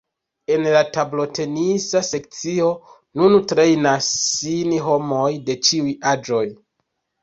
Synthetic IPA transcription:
e̞nlatablo̞te̞nisase̞k̚t͡sio̞ | nuntɾe̞jnasːinɦo̞mo̞jde̞t͡ʃiujad͡ʒo̞j

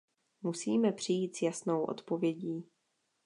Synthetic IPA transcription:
musiːmɛpr̝̥ɪjiːt̪sjasnowʔo̞̰t̪po̞vjɛɟiː

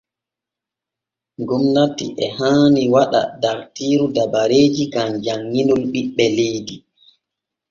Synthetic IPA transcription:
ŋɡumnatḭʔɛhaːniwaɗa̰daɾtiːɾudabaɾeːd͡ʒiɡamd͡ʒaŋːinɔlɓiɓːɛlejdi

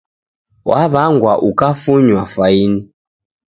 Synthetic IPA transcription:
wʔaβaŋɡwaʔukafuɲwafaini

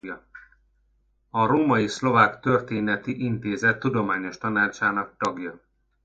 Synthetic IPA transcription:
jɒ | ɒɾoːmɒjislo̞vaːkt̪ø̞rt̪eːnɛt̪iʔint̪eːzɛt̪ːud̪o̞maːɲo̞ʃt̪ɒnaːt͡ʃaːnɒk̚t̪ɒɡjɒ

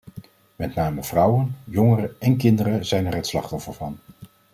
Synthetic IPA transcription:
mɛtnaːməv̥rʌwənjɔŋərəɛnkɪndəɾəzɛjnɛɹɦətslɑ̰χtɔfəɹvɑn

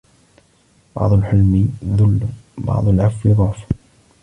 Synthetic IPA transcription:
bɑ̰ʕd̪ˤʊlħʊlmðʊlːbɑ̰ʕd̪ˤʊlʕafːiðˤʊʕf

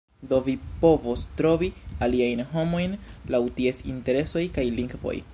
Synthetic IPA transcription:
do̞vipo̞vostɾo̞vialiajnɦo̞mo̞jnlawtie̞sḭnte̞ɾe̞so̞jkajliŋɡvo̞̰j

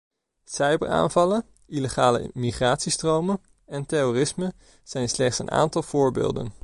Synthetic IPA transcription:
sɛjbə̰ra̰ːnvɑlən | iləχaːlə̰miχraːtsistrowmə | ɛntɛrorɪsmə | z̥ɛjnslɛχtsə̰nʔa̰ːntɑlˠv̥ʊːɹbḛːlˠdə̰n

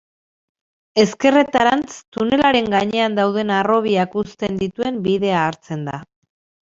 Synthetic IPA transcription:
e̞ske̞re̞t̪aɾant͡st̪une̞laɾe̞ŋɡaɲe̞and̪awð̞e̞naro̞β̞iakust̪e̞nd̪it̪ue̞mbiðe̞aːɾt͡se̞nd̪a̰

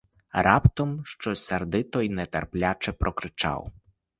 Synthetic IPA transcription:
ɾɑpt̪ɔmʃt͡ʃɔsʲɐrd̪ɪt̪ɔjnɛt̪ɛrplʲat͡ʃɛpɾɔkɾɪt͡ʃɑ̰w

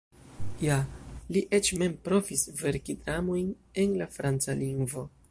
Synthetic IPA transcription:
jaliʔet͡ʃme̞mpɾo̞fisve̞ɾkidɾamo̞jn | e̞nlafɾant͡saliŋɡvo̞

